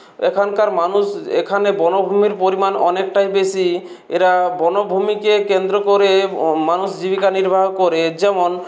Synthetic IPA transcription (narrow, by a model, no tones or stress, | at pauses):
ḛkʰɔnkaɾmanusḛkʰanebɔnobʱumiɾpoɾimanɔnek̚ʈajbesi | eɾabɔnobʱumikekend̪ɾokoɾemanusd͡ʒibikaniɾbʱaɦkɔɾed͡ʒɛmon